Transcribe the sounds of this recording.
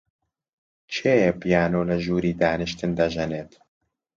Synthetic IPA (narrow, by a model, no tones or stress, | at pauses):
t͡ʃʰeːjɛpijaːnoːlɐʒuːɾiːd̪aːnɨʃt̪ɨnd̪ɐʒɛneːt̪